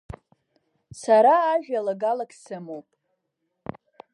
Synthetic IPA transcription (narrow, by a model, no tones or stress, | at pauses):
saɾaːʒᶣalaɡalakʼsɨmopʼ